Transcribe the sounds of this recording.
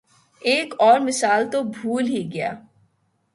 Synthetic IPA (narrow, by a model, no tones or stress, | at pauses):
eːkɔːɾmɪsaːlt̪obʱuːlɦiɡɪja̰ː